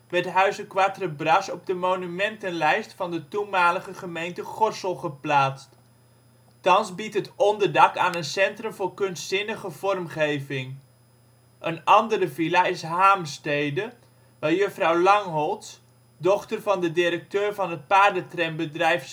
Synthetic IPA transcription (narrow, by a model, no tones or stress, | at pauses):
ʋɛɹtɦœɥzəkʋatrəbrɑsɔb̚dəmonymɛntənlɛjstfɑndətunmaːləχəχəmejntəχɔrsəlˠχəplaːtst | tɑnzbitɦətɔndəɹdɑkaːnənsɛntrəmvʊːɹkɵnstsɪnəχəv̥ɔrmχejvɪŋ | ʔənɑndəɾəvilaɪsɦaːmstejdə | ʋaɹjəfrɑwlɑŋɦɔlˠts | dɔχtərvɑndədɪɾək̚tøːɹvɑnɦət̚paːɹdətrɛnbədrɛjf